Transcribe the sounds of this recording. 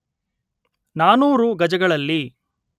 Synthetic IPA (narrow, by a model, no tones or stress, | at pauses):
naːnuːɾuɡɐd͡ʒɐɡɐɭɐlːi